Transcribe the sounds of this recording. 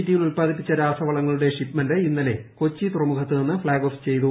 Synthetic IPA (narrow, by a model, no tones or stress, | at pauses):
d̪ijilulpaːd̪ʱip̬ːit͡ɕːɐɾaːsɐʋɐɭɐŋːɐɭuɽe̞ʂipmɐndeinːɐle̞ko̞t͡ɕːit̪urɐmukʰɐt̪ːɨninːɨfɭaːɡo̞ft͡ɕe̞jt̪̬u